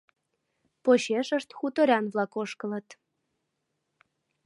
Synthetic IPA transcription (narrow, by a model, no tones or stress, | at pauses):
poɕeʃə̆ʃt̪xut̪oɾʲɑnvlˠɑkoʃkə̆lɤ̆t̪